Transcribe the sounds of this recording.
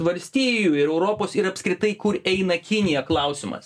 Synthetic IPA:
ʋɐlʲsʲt̪ʲiːjuɪɾɛʊɾoːpoːsɪɾɐpʲskɾʲɪt̪ɐɪkʊɾɛɪnɐkʲɪnʲɪjɛklˠɐʊsʲɪmɐ̰s

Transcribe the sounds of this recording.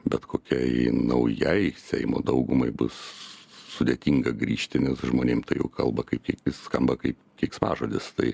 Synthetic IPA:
bʲɛt̪koːkʲɛɪnɐʊjɛɪsʲɛɪmo̰ːd̪ɐʊɡʊmɐɪbʊsː | ʊd̪ʲeːt̪ʲiːŋɡɐɡɾʲiːʃʲt̪ʲɪnʲɛsʒmoːnʲeːmt̪ɐɪjɛ̰ʊkɐlˠbɐkɐɪpkʲiɛkʲɪsskɐmbɐkɐɪpkʲiɛkʲspɑ̰ːʒoːd̪ʲɪst̪ɐɪ

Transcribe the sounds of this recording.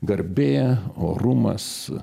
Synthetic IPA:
ɡɐɾʲbʲeːoːɾuːmɐ̰s

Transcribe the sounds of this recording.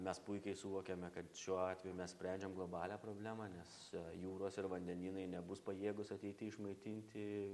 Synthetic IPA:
mʲɛspʊɪkʲɛɪsʊʋoːkʲɛmʲɛkɐt̪ʃʲuɔɑːt̪ʲʋʲɛjumʲɛssʲpʲɾʲæˑnʲd͡ʒʲɛmɡlˠoːbɑːlʲæːpɾoːbʲlʲæːmɑːnʲɛsjuːɾoːsɪɾʋɐnʲd̪ʲɛnʲiːnɐɪnʲɛbʊspɐjeːɡʊsɐt̪ʲɛɪt̪ʲɪɪʃmɐɪt̪ʲinʲt̪ʲɪ

